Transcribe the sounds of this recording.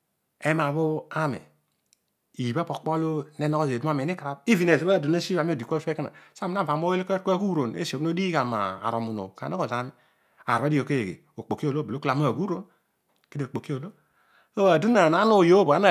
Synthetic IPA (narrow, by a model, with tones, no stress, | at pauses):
e˦ma˨βo˦a˦mḛ˨ | i˨ba˦po˨k͡po˦lo˦ne˦no˦ko˦˨ze˨du˦ma˦˨me˨ni˦ka˨ɾa˦b̚i˦vi˨n˨e˨ze˨ba˦˨du˨na˦si˦a˨mi˦o˨di˨ko˦fe˦ka˦na̰˨sa˦mi˨na˦˨va˨m˦o˦e˦lkɾkɡu˦ɾo˨nḛ˦so˨˦no˦di˦ka˨ma̰ː˨ɾo˨mu˨no̰˨ka̰˨o˦ko˨za˨˦mi˦ | a̰˨ɾa˦di˦o˨ke˦e˨ɡḛ˨ | o˨k͡po˨ki˦o˦˨lo˦˨be˨o˦ka˨m˦a˦˨ɡu˦ɾo˦n | ke˦de˨o˨k͡po˨ki˦o˨lo˦ | o˦a˨du˦na˨na˨˦no˦˨jo˦bo˨a˦na˨